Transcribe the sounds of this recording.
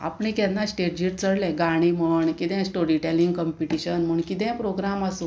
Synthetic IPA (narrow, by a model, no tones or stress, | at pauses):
a̰pɳikɛ̃nːasʈeʈ̚d͡ʑiʈ̚t͡səɽlɛ̃ɡaɽ̃iməɳkit̪ɛ̃sʈoɾiʈeliŋɡkɔmpiʈiɕənm̤uːɳkit̪̬ɛ̃pɾoɡɾamasũ